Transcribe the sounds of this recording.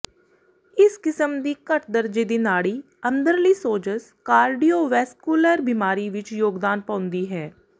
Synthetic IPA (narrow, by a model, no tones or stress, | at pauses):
ɪskɪsəmd̪iːkəʈd̪əɾd͡ʒiːd̪iːnaːɽiː | ə̃nd̪əɾliːsoːd͡ʒəs | kaːɾɖiːoːʋɛːskuːləːɾbimaːɾiʋɪt͡ʃjoːɡd̪aːnpãːʊ̃nd̪iːɦɛː